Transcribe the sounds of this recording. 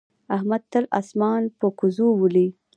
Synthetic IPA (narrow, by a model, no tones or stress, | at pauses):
ahmad̪̚t̪əla̰smɑnpəkʊzuwuli